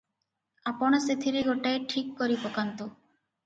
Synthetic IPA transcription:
apɔɽ̃aset̪ʰiɾeɡoʈajʈʰikːoɾipɔkant̪o

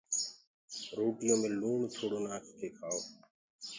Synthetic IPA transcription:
ɾoːʈɪjõːmẽːluːɳt͡ʃʰoːɽoːnaːkt̪ʰeːkʰaːoː

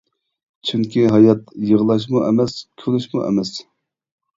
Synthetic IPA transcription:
t͡ʃʰyŋkʲiɦɑjɑt̪jəʁlˠɑʃ̬muʔɛmɛskʲʰølyʃmṵʔɛ̰mɛs

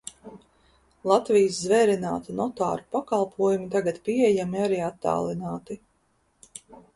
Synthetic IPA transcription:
lˠat̪vijszvɛːɾina̰ːt̪anɔt̪a̰ːɾupakɑlˠpʰuɔjumit̪aɡat̪piɛjamiaɾiːat̪ːa̰ːlˠinaːt̪i

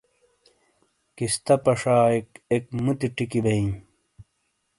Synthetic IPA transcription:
kist̪ɐpɐʂaːekekmut̪iʈikibɐĩ

